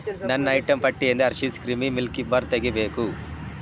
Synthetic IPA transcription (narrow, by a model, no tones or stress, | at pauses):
nɐnːɐɐjʈɐmpɐʈːijɐnd̪eɐɾʃiskɾimimilkibɐɾt̪eɡibe̞ːku